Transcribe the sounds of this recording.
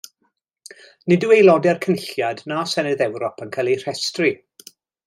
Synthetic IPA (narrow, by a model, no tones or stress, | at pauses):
nɪduwejlˠɔdɛrkʰənɪɬjadnaːsɛnɨðɛwɾɔpʰənkʰalˠir̥ɛstri